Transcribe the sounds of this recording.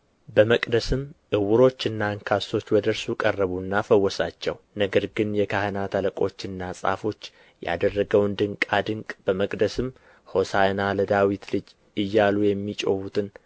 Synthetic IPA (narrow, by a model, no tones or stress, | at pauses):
bəməkʼd̪əsɨmʔɨwʊɾo̞t͡ʃːɨnːaɨŋkʰaso̞t͡ʃːwɔd̪əɾsukʼərːəβunːafəwːɔsat͡ʃːɛw | nəɡəɾɡɨnjɛkʰahənat̪ʰaləkʼo̞t͡ʃːɨnːasʼa̰fo̞t͡ʃː | ja̰d̪ərːəɡəwnd̪ɨŋkʼad̪ɨŋkʼb̥əməkʼd̪əsɨm | ho̞sajnaləd̪awit̪lɨd͡ʒ | ɨjːalujɛmːit͡ʃʼohut̪ʰɨn